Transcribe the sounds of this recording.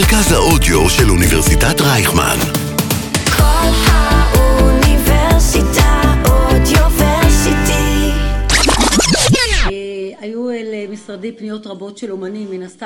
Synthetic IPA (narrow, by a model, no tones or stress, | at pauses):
ʁkazhaodjoʃeluniveʁsitatʁajχma̰n | kʰolhaʔuniveʁsit̪aod̪joveʁsit̪i | ajuelmisʁadimpnijo̞tʁabo̞tʃelomanimːinasta